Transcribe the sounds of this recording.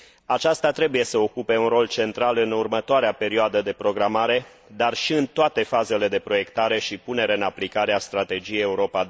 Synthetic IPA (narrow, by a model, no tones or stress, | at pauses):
at͡ʃast̪at̪ɾe̞buje̞səo̞kupe̞unro̞lt͡ʃe̞nt̪ɾalɨnurmət̪oaɾeape̞ɾioad̪əd̪e̞pɾo̞ɡɾamaɾe̞ | d̪arʃiɨnt̪oat̪e̞faze̞le̞d̪e̞pɾo̞je̞kt̪aɾe̞ʃipune̞ɾeaɨnaplikaɾeast̪ɾat̪e̞d͡ʒijejeuɾo̞pa